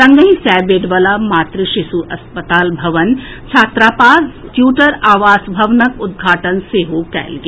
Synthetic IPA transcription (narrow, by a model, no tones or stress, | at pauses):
sɐ̃ŋɡəɦĩsɛːbeːɖʋɐlamaːt̪ɾəʃɪʃuʔɐspət̪aːlbʱɐʋənt͡ʃʰaːt̪ɾaːpaːɾtjuːʈəɾaːʋaːsbʱɐʋnəkʊd̪̚ɡʱaːʈənseɦokɛ̰ːlɡ